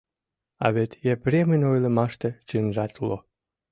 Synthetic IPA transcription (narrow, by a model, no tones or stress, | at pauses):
ɑ̰βet̪jepɾʲemənʲojlə̆mɑʃt̪ĕt͡ɕɨnʒɑt̪ulo